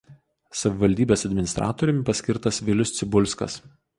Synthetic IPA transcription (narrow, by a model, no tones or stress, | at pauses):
sɐʋʲɪʋɐlʲd̪ʲiːbʲeːsɐd̪ʲmʲɪnʲɪst̪ɾʔɑ̰ːt̪oːɾʲɪmʲɪpɐsʲkʲɪɾt̪ɐsʋʲɪlʲʊst̪sʲɪbʊlʲskɐ̰s